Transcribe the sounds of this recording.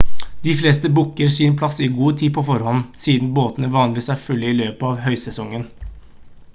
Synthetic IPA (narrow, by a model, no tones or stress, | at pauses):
d̪̥ɪfleːst̪əbʊkːəɾsinpʰlɑsɪɡuːt̪ʰiːpʰɔfɔɾhɔnsiːd̪n̩boːt̪ənəʋɑːnɪʋiːsæɾfʉlːəɪløːpəɑːʋɦœʏsɛsɔŋːən